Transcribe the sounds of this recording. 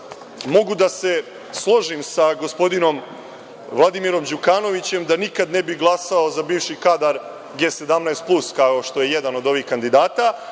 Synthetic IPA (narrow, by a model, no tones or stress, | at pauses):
mo̞ɡud̪ase̞ | slˠo̞ʒimsaɡo̞spo̞d̪ino̞m | ʋlˠad̪imiɾo̞md͡ʑukaːno̞ʋit͡ɕe̞md̪anikad̪ne̞biɡlˠasaozabiːʋʃikad̪aɾ | ɡe̞ːse̞d̪amnaest̪̚pluskaoʃt̪o̞je̞je̞d̪ano̞d̪o̞ʋiːxkand̪id̪aːt̪a